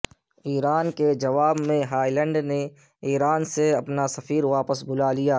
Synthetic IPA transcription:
iːɾaːnked͡ʒɐʋaːbmẽɦaːilɛ̃ɳɖne | iːɾaːnseɐpnasɐfiːɾʋaːpəsbʱʊlalijaː

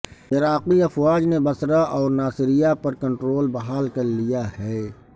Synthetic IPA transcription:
ɪɾaːqiɐfwaːd͡ʒnebɐsɾaʔɔːɾnaːsɪɾijapɐɾkɐ̃ɳʈɾoːlbɐɦaːlkɐɾlijahɛː

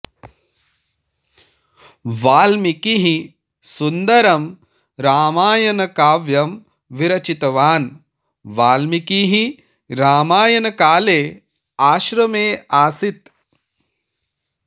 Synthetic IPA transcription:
ʋaːlmikiɦi | sund̪ɐɾɐm | ɾaːmaːjɐnɐkaːʋjɐm | ʋiɾɐt͡ʃit̪ɐʋaːn | ʋaːlmikiɦi | ɾaːmaːjɐnɐkaːleː | aːʃɾɐmeːaːsit̪

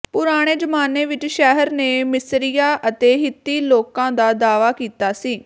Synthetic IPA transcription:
pʊɾaːɽ̃eːd͡ʒəmaːneːʋɪt͡ʃʃɛɦəɾneːmɪsɾijaːʔət̪eːɦɪt̪ːiːloːkãːd̪aːd̪aːʋaːkiːt̪aːsiː

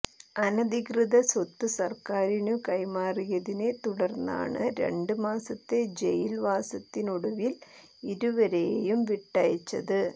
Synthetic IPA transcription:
ɐnɐd̪ikrɨðɐsot̪ːɨsɐrkaːɾinukɐjmaːrijɐðinet̪uɽɐrnːa̰ːɳɨɾe̞̰ɳɖɨmaːsɐt̪ːe̞d͡ʑḛjilʋaːsɐt̪ːinuɽuʋil | iɾuʋɐɾejjumʋiʈːɐjɐt͡ɕːɐðɨ

